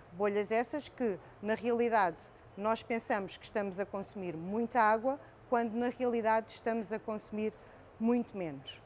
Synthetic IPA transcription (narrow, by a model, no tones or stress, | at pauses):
boʎɐzɛsɐʃkɨ | nɐʁiɐlˠiðað | nɔʃpẽsɐmuʃkɨ̥ʃt̪ɐmuzɐkõsumiɾmũj̃t̪ɐaɣwɐ | kwɐ̃nd̪unɐʁiɐlˠiðaðʃt̪ɐmuzɐkõsumiɾ | mũj̃t̪umenuʃ